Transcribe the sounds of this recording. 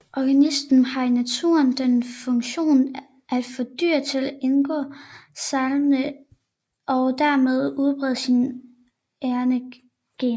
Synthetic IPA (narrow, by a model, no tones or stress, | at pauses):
ʔɒɡ̥ænisd̥n̩hɑ̈inæt͡sʰṵɐnd̥enfɔ̽ŋɕo̝̰ːn | ʔæd̥fɒ̽d̥y̰ːɐt͡sʰe̝læʔenɡ̥ɔ̰ːsɑ̈lmnə | ʔɒ̽d̥æɐ̰með̞ˠuð̞ˠb̥ʁɛð̞̰ˠsin | eɐnə | ɡ̥en